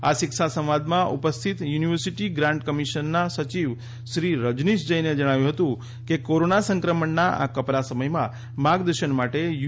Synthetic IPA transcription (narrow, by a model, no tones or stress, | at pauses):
aʃɪkʃasə̃m̃ʋad̪mãʔṵpəst̪ʰit̪juniʋəɾsiʈiɡɾãɳɖkəmiʃənːasət͡ʃiʋ | ʃɾiɾəd͡ʒniʃd͡ʒəjned͡ʒəɽ̃aʋjũɦət̪ũ | kekoɾonasəŋkɾəməɳnaʔa̰kəpɾasəməjmã | maɡd̪əɾʃəɳmaʈej